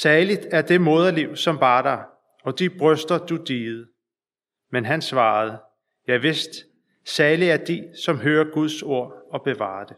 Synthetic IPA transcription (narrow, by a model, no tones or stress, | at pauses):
sæːlid̥æɐd̥e̝mɔːð̞ˠɐliʊ̰sɒ̽mʋɑ̈ːɾ̥ɑ̈ɪ | ɒ̽d̥ib̥ʁœsd̥ɐd̥ud̥iːð̩ˠ | menɦænsʋɑ̈ːð̞̩ˠ | jɑ̈ɪʋe̝sd̥ | sæɐliæɐd̥isɒ̽mɦøːɐɡ̥uð̞ˠso̝ɐ̰ɒ̽b̥e̝ʋɑ̰̈ːɐd̥e̝